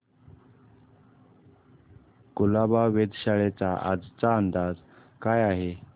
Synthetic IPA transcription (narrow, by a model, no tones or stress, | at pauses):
kulabaʋed̪ɕaɭet͡saʔa̰d͡zt͡saənd̪ad͡z | kajaɦe